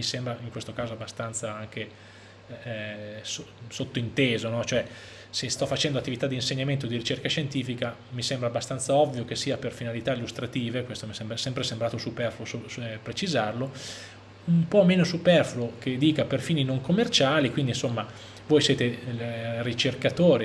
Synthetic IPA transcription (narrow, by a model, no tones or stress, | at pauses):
misɛmbɾaiŋkwest̪okaːzoabːast̪ant̪saaŋk̟e | sosot̪ːoint̪eːzonɔt͡ʃoɛ | sest̪ɔfːat͡ʃɛnd̪oat̪ːivit̪ad̪ːinseɲːament̪od̪iɾit͡ʃerkaʃent̪iːfika | misɛmbɾabːast̪ant̪saɔvːjok̟esːiːaperfinalit̪ailːust̪ɾat̪iːvekwest̪omiɛsɛmbɾasɛmpɾesembɾaːt̪osupɛrfluosopɾet͡ʃizarlo | umpɔmeːnosupɛrfluok̟ed̪iːkaperfiːninoŋkomːert͡ʃaːlikwind̪insomːa | vojsjeːt̪e | rit͡ʃerkat̪oːɾe